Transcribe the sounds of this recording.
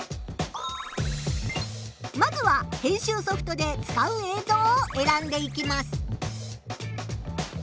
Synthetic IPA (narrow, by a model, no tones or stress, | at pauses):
mazɨβahẽ̞ɰ̃ɕɨːso̞ɸɯ̟̥t̪o̞d̪e̞t͡sɨ̥kaɯ̟eːzo̞ːoʔe̞ɾãnd̪e̞ikʲimasɨ̥